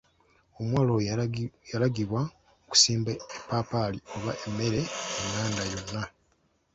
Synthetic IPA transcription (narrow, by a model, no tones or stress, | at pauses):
o̞mwaːlojalaɡiβwa | oku̥siːmbaepːaːpalio̞βaʔe̞mːe̞ɾe̞meŋaːndajo̞nːa